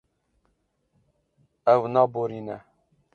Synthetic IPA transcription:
ɛwnɑːboɾiːnɛ

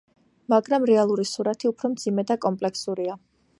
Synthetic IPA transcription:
maɡɾamɾɛalˠuɾisuɾat̪ʰiupʰɾɔmd̪z̥imɛd̪akʼɔmpʼlɛksuɾia

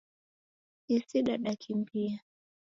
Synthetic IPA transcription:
isiɗaɗakʰimbia

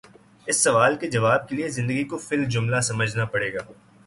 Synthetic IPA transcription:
ɪsːɐʋaːlked͡ʒɐʋaːb̚keliezɪ̃nd̪əɡikofɪld͡ʒʊmlasɐməd͡ʒʱnapɐɽeːɡaː

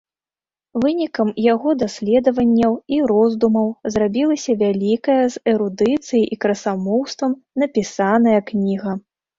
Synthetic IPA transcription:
vɨnʲikɐmjaɣɔd̪asʲlʲɛd̪ɐvɐnʲːɐwiɾɔzd̪umɐwzrabʲilˠɐsʲɐvʲalʲikɐjɐzɛɾud̪ɨt̪sɨjijʔikɾɐsamɔwst̪vɐmnɐpʲisanɐjɐknʲiɣɐ

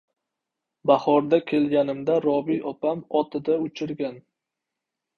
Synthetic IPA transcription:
bahɒɾd̪akʲʰe̞lɡʲanɪmd̪aɾɒbijʔɒpʰamɒt̪ʰɪd̪aʊt͡ʃʰɪɾɡʲan

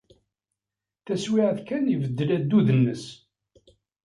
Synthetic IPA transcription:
θæswiʕðkænivəd̪ːəlæd̪ːuðənːəs

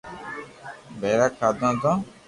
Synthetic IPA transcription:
beɾakaːd̪ãːd̪ã

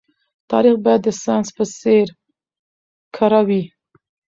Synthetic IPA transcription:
t̪ʰɑɾixbɑjad̪ːəsɑnspəseɾ | kʰaɾawi

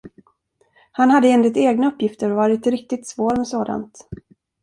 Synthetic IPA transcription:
hanhad̪ːəɛnlɪt̪eːɡnaɵpːjɪft̪əɾɔvɑːɾɪt̪ɾɪk̚t̪ɪt̪svoːɾmɛsoːd̪a̰nt̪

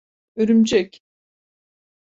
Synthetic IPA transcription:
øɾymd͡ʒɛc

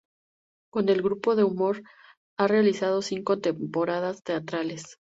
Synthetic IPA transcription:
ko̞ne̞lɣɾupo̞ðe̞umo̞ɾ | are̞alisað̞o̞siŋko̞t̪empo̞ɾað̞ast̪e̞at̪ɾales

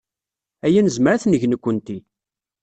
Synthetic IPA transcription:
æjænəzmɾæθnəʝnəkʷːənt̪i

